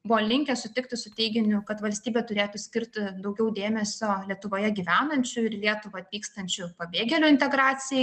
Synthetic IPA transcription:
bʊʋoːlʲɪŋʲkʲɛsʊt̪ʲɪkt̪ʲɪsʊt̪ʲɛɪɡʲɪnʲʊkɐt̪ʋɐlʲst̪ʲiːbʲɛːt̪ʊɾʲeːt̪ʊsʲkʲɪɾʲt̪ʲɪd̪ɒʊɡʲɛʊd̪ʲeːmʲɛsʲoːlʲiɛt̪ʊʋoːjɛɡʲiːʋʲæːnɐnʲt͡ʃʲʊɪɾlʲiɛt̪ʊʋɐɐt̪ʋʲiːkst̪ɐnʲt͡ʃʲʊpɐbʲeːɡʲɛlʲʊɪnʲt̪ʲɛɡɾɑːt͡s̪ʲɪjɛɪ

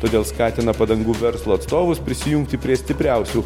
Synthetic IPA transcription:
t̪oːd̪ʲeːlˠskɑːt̪ʲɪnɐpɐd̪ɐŋɡuːʋʲɛɾslˠoːɐt̪st̪oːʋʊspʲɾʲɪsʲɪjʊŋkt̪ʲɪpʲɾʲiɛsʲt̪ʲɪpʲɾʲɛˑʊsʲuː

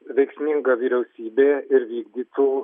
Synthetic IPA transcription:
ʋʲɛɪksʲmʲɪŋɡɐʋʲiːɾʲɛʊsʲiːbʲeːɪɾʋʲiːɡd̪ʲiːt̪ʰuː

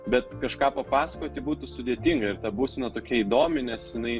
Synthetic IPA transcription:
bʲɛt̪kɐʃkɑːpɐpɑːsɐkoːt̪ʲɪbuːt̪ʊsʊd̪ʲeɛt̪ʲiŋɡɐɪɾt̪ɐbuːsʲɪnɐt̪oːkʲiɛiːd̪oːmʲɪnʲɛsjɪnɐɪ

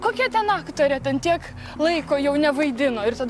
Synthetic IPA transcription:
koːkʲɛt̪ʲɛnɑːkt̪oːɾʲɛt̪ʲɛnt̪ʲiɛk | lˠɐɪkoːjɛʊnʲɛʋɐɪd̪ʲɪnoːɪrt̪ɐd̪

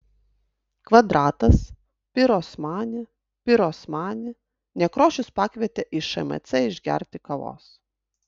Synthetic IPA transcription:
kʋɐd̪ɾɑːt̪ɐs | pʲɪɾoːsmɑːnʲɪ | pʲɪɾoːsmɑːnʲɪ | nʲɛkɾoːʃʲʊspɑːkʋʲiɛt̪ʲeʔɪʃɐɛ̰mɛ̰t̪sʲɛɪʒʲɡʲɛ̰ɾʲt̪ʲɪkɐʋo̰ːs

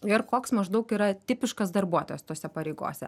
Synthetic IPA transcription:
ɪrkoːksmɐʒd̪ɐʊkiːɾɐt̪ʲɪpʲɪʃkɐsd̪ɐrbuɔt̪oːjɛst̪oːsʲɛpɐɾʲɛɪɡo̰ːsʲɛ̰

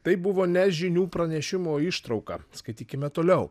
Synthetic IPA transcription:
t̪ɐɪbʊʋoːnʲɛʒʲɪnʲuːpɾɐnʲɛʃʲɪmoːɪʃt̪ɾɐʊkɑ̰skɐɪt̪ʲiːkʲɪmʲɛt̪oːlʲɛʊ

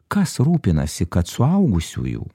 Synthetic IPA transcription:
kɐsɾuːpʲɪnɐ̰sʲɪkɐt̪sʊɐʊɡʊsʲṵːjṵː

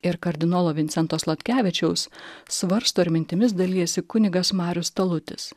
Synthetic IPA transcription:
ɪɾkɐɾʲd̪ʲɪnoːlˠoːʋʲɪnt̪sʲɛnt̪oːslˠɐt̪ʲkʲæːʋʲɪt͡ʃʲɛʊssʋɐɾst̪oːɪɾʲmʲɪnʲt̪ʲɪmʲɪs̬d̪ɐlʲiːjɛsʲɪkʊnʲɪɡɐsmɑːɾʲʊst̪ɐlˠʊt̪ʲɪs

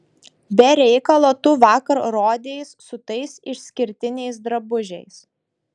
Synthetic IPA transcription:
bʲɛɾʲɛɪkɐlˠoːt̪ʊʋɑːkɐɾɾoːd̪ʲejsːʊt̪ɐɪsɪʃʲsʲkʲɪɾʲt̪ʲɪnʲɛɪsd̪ɾɐbʊʒʲɛɪs

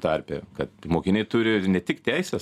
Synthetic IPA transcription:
t̪ɐrʲpʲɛ̰ːkɐt̪moːkʲɪnʲeɪt̪ʊɾʲɪnʲɛt̪ʲɪkt̪ʲæɪsʲɛs

